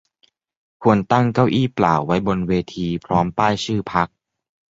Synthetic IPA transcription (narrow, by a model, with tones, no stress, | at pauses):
kʰu˧ənt̪a˥˩ŋka˥˩wʔiː˥˩pla̰ː˨˩wːa˦˥jbo˧nweː˧t̪ʰiː˧pʰɾɔː˦˥mpaː˥˩jsɯː˥˩pʰa˦˥k̚